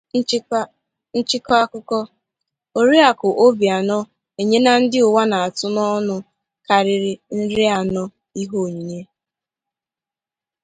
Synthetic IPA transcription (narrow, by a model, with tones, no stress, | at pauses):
n̩˦t͡ʃɪ˦kɔ˦a˦kʊ˦kɔ˦ | o˨ɾi˦a˨kʊ˨ʔo˦bi˨a˨nɔ˦ | e˨ɲe˦na˦n̩˦dɪ˦ʊ˨wa˦na˨a˨tʊ˦nɔ˦nʊ˨ | ka˨ɾɪ˨ɾɪ˦n̩˦ɾɪ˦a˨nɔ˦ | i˦ɦo˦˨ɲi˨ɲe˦